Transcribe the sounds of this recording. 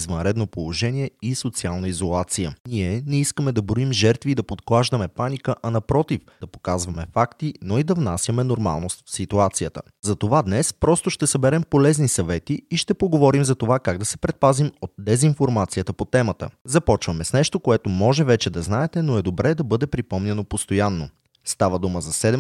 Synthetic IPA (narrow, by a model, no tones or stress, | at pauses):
izvɐnɾɛd̪nopolˠoʒɛniɛisot̪sialˠnəizolˠat̪sijə̰niɛnɛiskəmɛd̪ɐbɾoimʒɛɾt̪vid̪ɐpot̪klˠaʒd̪əmɛpanikəʔɐnɐpɾɔt̪ifd̪ɐpo̥kazvɐmɛfakt̪inoid̪ɐvnasʲjɐmɛnoɾma̰lˠnost̪fsit̪uat̪sijət̪ə̰ | zɐt̪ovad̪nɛspɾɔst̪oʃt̪ɛsɐbɛɾɛmpolɛznisɐvɛt̪iːʃt̪ɛpoɡovɔɾimzɐt̪ovakaɡd̪ɐsɛpɾɛt̪̚pazimot̪̚d̪ɛzinfoɾmat̪sijət̪əpot̪ɛmət̪ə̰zɐpɔt͡ʃvɐmɛsnɛʃt̪okoɛt̪omɔʒɛvɛt͡ʃɛd̪ɐznaɛt̪ɛnoɛd̪obɾɛd̪ɐbɤd̪ɛpɾipɔmnʲɛnopost̪ojanːo̰ | st̪avəd̪uməzɐsɛd̪ɛ